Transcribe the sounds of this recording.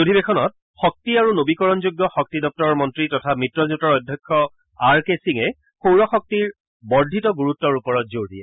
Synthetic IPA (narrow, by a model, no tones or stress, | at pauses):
odʱibekʰɔnɔt̚ | xɔk̚tiaɹunobikɔɹɔnzuɡːɔxɔk̚tidɔp̚tɔɹɔɹmɔntɹitɔtʰamitɹɔzutɔɹɔjdʱjɔkʰːɔ | aɹkesiŋɛ | xowɹɔxɔk̚tiɹ | bɔɹdʱitɔɡuɹutːɔɹupɔɹɔt̚zoɹdiɛ